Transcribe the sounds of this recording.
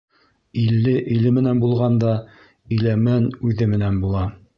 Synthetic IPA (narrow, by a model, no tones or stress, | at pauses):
ilːɘʔilɘmɘ̆nænbulˠʁɑnd̪ɑ | ɵ̆jlæmænʉðɘmɘ̆nænbulˠɑ